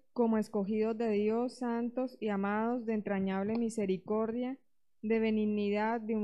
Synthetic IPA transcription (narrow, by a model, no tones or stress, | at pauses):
ko̞moe̞sko̞xiðo̞zd̪e̞ðjo̞sːant̪o̞siamaðo̞zd̪e̞ːnt̪ɾaɲaβlemise̞ɾiko̞ɾðja | d̪e̞βe̞niɡniðad̪d̪eu